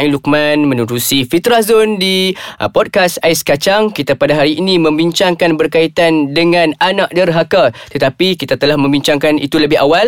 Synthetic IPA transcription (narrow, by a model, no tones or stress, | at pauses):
ĩluk̚mãnmə̃nuɾusifit̪ɾazondipɔd̚kasaɪskat͡ʃaŋkit̪apadaɦaɾiːnĩmə̃mbiɲt͡ʃaŋkanbərkait̪andəŋãnanãʔ̚dərɦakat̪ət̪apikit̪at̪əlahmə̃mbiɲt͡ʃaŋkanḭt̪uləbɪɦawal